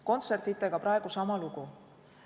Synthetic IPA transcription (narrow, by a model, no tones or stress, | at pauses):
ko̞nt̪se̞rt̪it̪ːˑe̞ɡ̥ɑpɾɑe̞ɡ̥usɑmɑluɡu